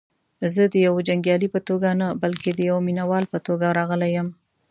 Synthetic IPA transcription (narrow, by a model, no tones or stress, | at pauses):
zəd̪əjawd͡ʒaŋɡjɑlipət̪oɡanabalked̪əjawminawɑlpət̪oɡaɾɑɣəlajəm